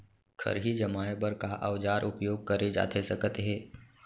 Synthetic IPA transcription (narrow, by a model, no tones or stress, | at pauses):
kʰɐ̰ɾɦid͡ʒɐmaːebəɾkaʔa̰ʋd͡ʒaːɾʔʊpjoːɡ̚kɐɾed͡ʒa̰ːt̪ʰesɐkət̪ɦɛː